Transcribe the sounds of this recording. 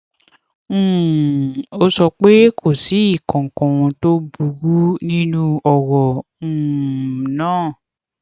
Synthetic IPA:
o˦sɔ˧k͡pe˦kʰo˦˨si˨˦i˦˨kã˨kɔ̃˨w̃ɔ̃˧to˦bu˨ɡu˦nĩ˦nũ˦ɔ˨wɔ̃˨ | nãː˦˨

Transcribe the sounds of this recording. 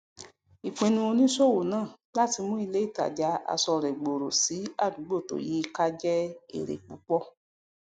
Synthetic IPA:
i˨k͡pĩ˧nũ˧o˧nĩ˦so˦˨wo˨nãː˦˨ | la˦ti˧mũ˦i˧le˦i˦˨ta̰˨d͡ʒa˨˧˦a̰˧sɔ˧ɾɛ˨ɡ͡bo˨ɾo˨si˨˦a˦˨dũ˨˦ɡ͡bo˦˨to̰˨ji˨˦ka˦d͡ʒɛ˦ḛ˦˨ɾḛ˨k͡pu˨˦k͡pɔ˦

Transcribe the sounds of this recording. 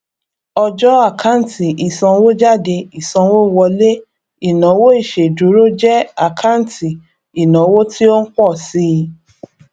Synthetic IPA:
ɔ˧d͡ʒɔ˦a˦˨kʰa˦n˨ti˨i˨sɔ̃˧wo˦d͡ʒa˦˨de˧i˨sɔ̃˧wo˦wɔ˧le˦ | i˨nã˨˦wo˦i˦˨ʃe˨du˨˦ɾo˦d͡ʒɛ˦a˨kʰa˦n˦ti˨ | i˨nã˨˦wo˦ti˦o˦n̩˦k͡pɔ˦˨si˦˧

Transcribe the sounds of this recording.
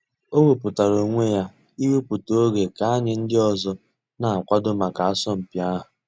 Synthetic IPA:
o˦we˨pʊ˨ta˨ɾo˨ŋʷe˦ja˦ | i˦we˦pʊ˨to˦o˦ɡe˨ka˨a˦ɲɪ˨n̩˦dɪ˦ɔ˨zɔ˦ | na˨a˨kʷa˦dʊ˦ma˨ka˨a˦sɔ˦m̩˨pja˦ɦʊ˨

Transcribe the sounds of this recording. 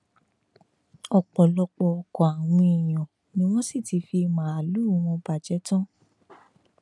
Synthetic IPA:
ɔ˨k͡pɔ˨lɔ˧k͡pɔ˧ɔ˧˨kɔ˨a˨w̃ĩ˧i˨j̃ɔ̃˨ | nĩ˧˦w̃ɔ̃˦si˦˨ti˨˧fi˧mã˨˦a˨lu˨˦˨w̃ɔ̃˧ba˨d͡ʒɛ˨˦tɔ̃˦

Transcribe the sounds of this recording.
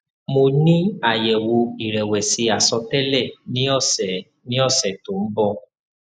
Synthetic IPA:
mo˧nĩ˦a˨jɛ˨wo˧i˨ɾɛ˨wɛ˨si˧a˨sɔ˧tɛ˦lɛ˦˨nĩ˦ɔ˦˨sɛ˨ | nĩ˦ɔ˦˨sɛ˨to˨m̩˦bɔ˧

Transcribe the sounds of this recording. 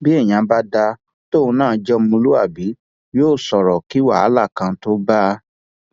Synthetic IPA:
bi˦ɛ˦˨j̃ã˨˧ba˦da˧ | to˦ũ˧nãː˦˨˧d͡ʒɔ˦mũ˧lu˦a̰˦˨bi˨˦ | joː˦˨sɔ˨ɾɔ˨ki˨˦wa̰˦˨a˨˦la˦˨kã˧˦to˦ba˦

